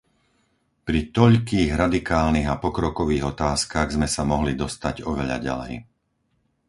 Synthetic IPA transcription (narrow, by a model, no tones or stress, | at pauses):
pɾit̪ɔʎkiːɣɾad̪ikaːlniɣapɔkɾɔkɔʋiːɣɔt̪aːskaɣzmɛsamɔɦlid̪ɔst̪aɟɔʋɛʎa̰ɟa̰lɛ̰j